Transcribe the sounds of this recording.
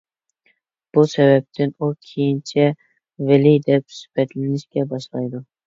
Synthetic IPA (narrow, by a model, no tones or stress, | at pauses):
b̥usɛbæp̚t̪ʰɪnukʲʰejint͡ʃʰɛ | vɪlɪjd̪ɛp̚sy̥pɛt̪lɪnɪʃkʲɛbɑʃlˠɑjd̪ʊ